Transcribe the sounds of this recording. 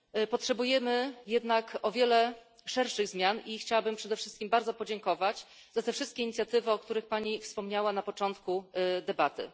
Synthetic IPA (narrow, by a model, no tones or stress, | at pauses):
pɔtʂɛbujɛmɘjɛd̪nakɔvʲjɛlɛ | ʂɛɾʂɘɣzmʲjanixt͡ɕawabɘmpʂɛd̪ɛfʂɘst̪kʲimbaɾd̪zɔpɔd͡ʑɛŋkɔvat͡ɕ | z̥at̪ɛfʂɘst̪̚kʲɛiɲit̪sʲjat̪ɘvɘɔkt̪uɾɘxpaɲifspɔmɲawanapɔt͡ʂɔnt̪kud̪ɛbat̪ɘ̰